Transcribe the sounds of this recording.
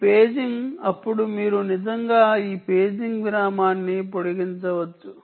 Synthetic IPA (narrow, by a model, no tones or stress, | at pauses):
peːd͡ʒiŋɡɐpːuɽumiːɾunid͡ʒɐŋɡaːiːpe̞ːd͡ʒiŋɡɡɾaːmaːnːipoɽiɡiɲt͡ʃɐʋɐt͡ʃːu